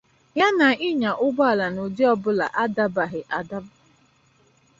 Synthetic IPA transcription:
ja˦na˨ɪ˦ɲa˨ʔʊ˦ɡ͡bɔ˦a˨la˨no˨di˦ɔ˦bʊ˦la̰˨ʔa˦da˦ba˨ɦɪ˨ʔa˨da˦b

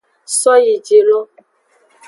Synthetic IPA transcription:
sɔ˦ji˨d͡ʒe˨lo˦

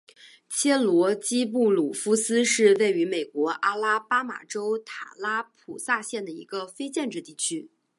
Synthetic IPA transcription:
t͡ɕʰjɛ˥lwɔ˧˥t͡ɕi˥p̬u˥˩lu˨˩fu˥sɹ̩˥ʂɻ̩˥˧we˥˩ɪy˧˥me˨˩ɪkwɔ˧˥ʔa˥la˥pa˥ma̰˨˩ʈ͡ʂo˥ʊt̪ʰa̰˨˩la˥pʰu˨˩sa˥˧ɕjɛ˥˩nd̪ə˩ḭ˧˥ɡə˧fe˥ɪt͡ɕjɛ˥˧nʈ͡ʂɻ̩˥˧t̪i˥˩t͡ɕʰy˥

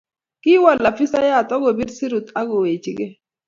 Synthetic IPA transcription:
kɪ˦wɔ˨lla˨fi˦sa˦ja˦˨tɔ˦ɡo˨bi˦dsi˦ɾu˨t̪a˦ɡo˨we˨t͡ʃi˨ɡe˦

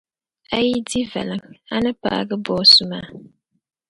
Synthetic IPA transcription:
a˦ji˦di˦va̰˨lɨ˨ŋa˦nɨ˦pa̰ː˨˦˨ɡɨ˦bɔ˦sʊ˦maː˦˨

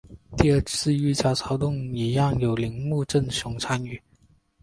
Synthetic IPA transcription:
t̪i˥˧ə˞˥˧t͡sʰɹ̩˥˧y˥˩t͡ɕjɑ˥˩ʊt͡sʰɑ˧˥ʊt̪ʊ˥˩ŋi˧˥jɑ˥˩ŋjo˨˩ʊli˧˥ŋmu˥˧ʈ͡ʂə˥˩nɕjʊ˧˥ŋʈ͡ʂʰa˧˥ny˨˩˦

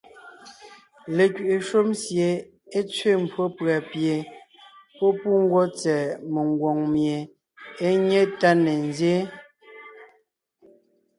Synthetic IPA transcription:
le˨kɥi˨ʔe˨ʃo˦msje˨ | e˦t͡sɥe˦˨m˨pʰwo˦pɰa˨pje˨ | pɔ˦pu˦ŋ̩˦ɡwɔ˦t͡sɛ˨me˨ŋ˨ɡwɔ˨ŋmje˨ | e˦ɲe˦ta˦ne˨nzje˦

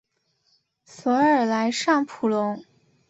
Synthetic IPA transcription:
sɔ˧˥ə˞˨˩la˧˥ɪʂɑ˥˩ŋpʰu˨˩lʊ˧˥ŋ

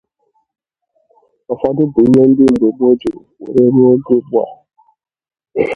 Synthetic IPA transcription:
ɔ˨fa˦dʊ˦bu˨˦ɲɔ˦n̩˦dɪ˦m̩˨ɡ͡be˨bo˦d͡ʒe˨o̰˨ɾe˦ɾu˦o˦ɡe˦bu˦a̰˨

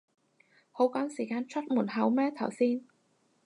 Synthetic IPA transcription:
ho˨˥wkɔ˨˥nsiː˨˩kaː˨nt͡sʰɐ˦˥t̚muː˨˩t̚ɦɐ˨˥wmɛː˥t̪ʰɐ˨˩wsiː˧n

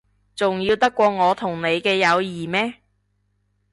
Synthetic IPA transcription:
t͡sʊ˨ŋjiː˧wt̪ɐ˥kːʷɔː˧ŋɔː˨˧t̪ʰʊ˨˩ŋne˨˧jkɛː˧jɐ˨˧wjiː˨˩mɛː˥

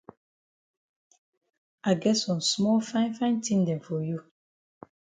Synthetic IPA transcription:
a˨ɡɛ˦sɔ̃˨nsmɔ˦lfã˦ɪ̃˦nfã˦ɪ̃˦ntĩ˦ndɛ̃˨nfɔ˨ju˦

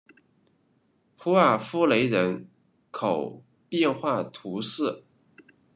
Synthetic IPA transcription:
pʰu˥a˥˩fu˥le˧˥ɪɻə˧˥n | kʰo˨˩ʊ | pjɛ˥˧nxwa˥˩t̪ʰu˧˥ʂɹ̩˥˩

